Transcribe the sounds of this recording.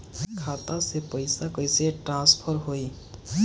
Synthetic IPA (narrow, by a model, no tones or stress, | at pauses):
kʰat̪asepʌjsakʌjseʈrãnspʰʌɾɦoj